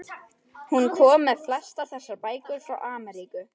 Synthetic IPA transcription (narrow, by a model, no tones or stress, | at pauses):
hunkʰɔːmːɛðflɛst̪aθɛsːaɾpaːjkʏɾ̥fɾawʔaːmɛɾikʏ